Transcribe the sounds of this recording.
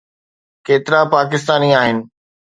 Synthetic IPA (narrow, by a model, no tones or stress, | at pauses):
keːt̪ɪɾapaːk̬ɪst̪aːniaːɦɪnɪ̆